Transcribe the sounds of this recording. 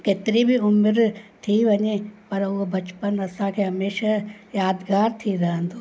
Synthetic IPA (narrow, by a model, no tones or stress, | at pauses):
keːt̪ɪɾibʱɪʊmɾt̪ʰiʋɐɲepɐɾʊɦobɐt͡ʃpənɐsãkʰeːɦɐmeːʃajaːd̪ɡaːɾt̪ʰiɾɐɦə̃nd̪oː